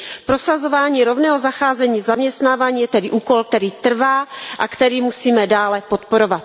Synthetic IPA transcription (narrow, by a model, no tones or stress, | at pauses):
pɾosazovaːɲiːɾo̞vnɛːɦozaxaːzɛɲiːzamɲɛst̪naːvaːɲiːjɛt̪ɛdɪʔuːko̞lk̚t̪ɛɾiːt̪r̩vaːʔakt̪ɛɾiːmusiːmɛdaːlɛpot̪po̞ɾovat̪